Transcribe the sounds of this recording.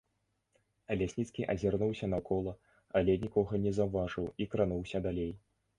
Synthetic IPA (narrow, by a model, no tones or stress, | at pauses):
ɐlʲasʲnʲit̪skʲiʔɐzʲarnuwsʲɐnɐkʰɔlˠɐ | ɐlʲɛnʲikɔɣɐnʲɛzɐwvaʐɨwikɾanuwsʲɐd̪alʲej